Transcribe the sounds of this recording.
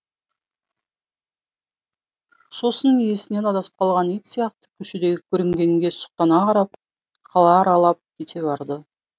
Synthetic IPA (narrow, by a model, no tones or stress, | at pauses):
so̞sənəŋije̞sɪne̞nɑd̪ɑsə̥p̚qʰɑlˠʁɑnijt̪sijɑqt̪ə̥kʲʰɵʃɪd̪e̞ɡʲɪkʲʰɵɾɪŋɡʲe̞ŋɡʲe̞sʊ̥q̚t̪ɑnɑqʰɑɾɑp̚ | qʰɑlˠɑːɾɑlˠɑp̚kʲʰet̪e̞bɑɾd̪ə